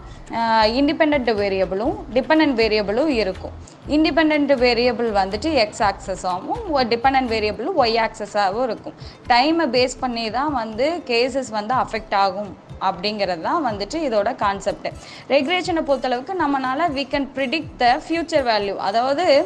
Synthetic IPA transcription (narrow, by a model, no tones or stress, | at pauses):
ɪɳɖɪpɛɳɖɛɳʈʋeːɾɪɐbɪlʊ̃ɖɪpɛ̃ɳɖɛɳʈʋeːɾɪjɐbɪlʊ̃ɪɾɯkːʊ̰̃ | ɪɳɖɪp̬ɛɳɖɛɳʈʋeːɾɪɐbɯlʋɐnd̪ɯʈːɯɛksaːksɐsaːmʊ̃ɖɪpɛɳɖɛɳʈʋeːɾɪɐbɐl̃ɐjaːksɐsaːʋʊ̃ɪɾɯkːʊ̃ʈɐɪmbeːspɐɳːiːt̪ãːʋɐnd̪ɯkeːs̬ɛsʋɐnd̪ɯɐfɛk̚ʈaːɣɯmɐpːɐɽɪŋɡɪɾɐðɯt̪ãːʋɐnd̪ɯʈːɯɪðoːɽɐkaːnsɛp̚ʈɯ | ɾɛɡleːʃɐnɐpoːt̪ːɐlɐʋɯkːɯnɐmːɐnaːlɐʋiːkɐnpɾɪɽɪk̚ʈd̪ɐfjuːt͡ʃɐɾʋaːljuʔɐ̰ðaːʋɐðɯ